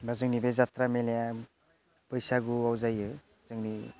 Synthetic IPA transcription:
bʱazɯŋnibezat̪ɾameleja | pʌjsaɡuawzajɯ | zɯŋni

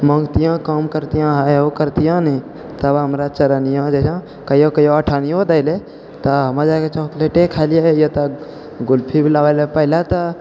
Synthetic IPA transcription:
məŋɡt̪ijãkəmkəɾt̪ijãɦaokəɾt̪ijãni | t̪əbɦəmɾat͡ʃəɾənijãd͡ʒəsã | kəjokəjoəʈʰanijod̪aɪle | t̪əɦəməd͡ʒajket͡ʃɔkleʈekʰaɪlijejət̪ə | ɡulpʰibʱilawalepəɦilat̪ə

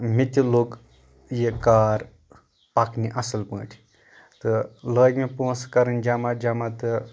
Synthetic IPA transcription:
mit̪ʲilok | jekaːɾ | pakʰniʔɐsɨlpə̃ːʈʰi | t̪ɨləːɡmipoːskɐɾɨnd͡ʒɐmad͡ʒɐmat̪ɨ

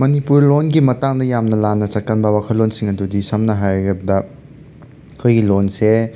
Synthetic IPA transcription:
mɐnipuɾlonɡimɐtaŋdɐjamnɐlanːɐt͡ʃɐt̚kɐnbɐwakʰɐlːonsiŋɐdudisɐmnɐɦajɐɾɐbɐdɐ | kʰojɡilonse

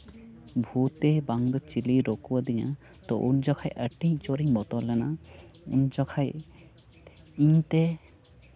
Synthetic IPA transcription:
bʱut̪ebaŋd̪ɔt͡ʃiliɾokubad̪ija | t̪ɔʔṵnd͡ʒɔkʰajʔɛʈĩt͡ʃoɾiɲbɔt̪ɔlɛnaṵnd͡ʒɔkʰaj | iɲt̪e

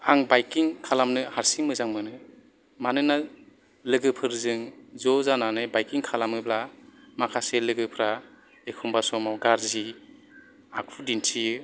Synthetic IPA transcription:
aŋbajkiŋkʰalamnɯhaɾsiŋmɯzaŋmɯnɯ | manɯna | lɯɡɯpʰɯɾzɯŋzɔzananɯbajkiŋkʰalamɯblamakʰaselɯɡɯpʰɾa | ekʰumbasɔmawɡaɾzi | akʰudintʰijɯ

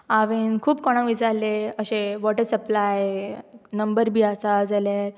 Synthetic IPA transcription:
aʋenkʰuːpkɔɽ̃ãʋisaɾleəɕeʋɔʈəɾsəplaj | nəmbəɾbʱiːasad͡zalaɾ

